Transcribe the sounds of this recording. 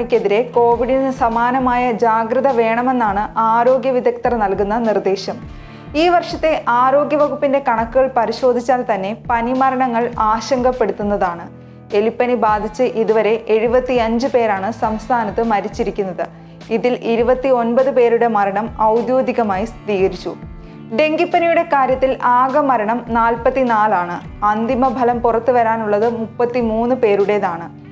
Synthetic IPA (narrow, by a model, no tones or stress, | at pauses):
ikʲːe̞ðiɾe̞ko̞ːʋiɽinɨsɐmaːnɐmaːjɐd͡ʑaːɡɾɨðɐʋe̞ːɳɐme̞nːaːɳɨʔaːɾo̞ːɡjɐʋid̪ɐkt̪ɐrɐnɐlkunːɐnird̪e̞ːɕɐm | iːʋɐrʂɐt̪ːe̞ʔaːɾo̞ːɡjɐʋɐɣupːinde̞kɐɳɐkːuɣɐɭpɐɾiɕo̞ːd̪ʱit͡ɕːaːlt̪ɐnːe̞pɐnimɐɾɐɳɐŋːɐɭaːɕɐŋɡɐpːe̞ɽut̪ːunːɐðaːɳɨ | e̞lipːɐnibaːd̪ʱit͡ɕːɨʔiðuʋɐɾe̞ʔeɻubɐt̪ːiɐɲd͡ʑɨpe̞ːɾaːɳɨsɐmst̪ʰaːnɐt̪ːɨmɐɾit͡ɕːiɾikʲːunːɐðɨ | iðilʔiɾubɐt̪ːio̞nbɐðɨpe̞ːɾuɽe̞mɐɾɐɳɐmɐwd̪joːd̪ʱiɣɐmaːjisɾiːɣɐɾit͡ɕːu | ɖe̞ŋɡipːɐnijuɽe̞kaːɾjɐt̪ːilʔaːɡɐmɐɾɐɳɐmnaːlpɐt̪ːinaːlaːɳɨɐnd̪imɐbʱɐlɐmpurɐt̪ːuʋɐɾaːnuɭːɐðɨmupːɐt̪ːimuːnːɨpe̞ːɾuɽe̞ðaːɳɨ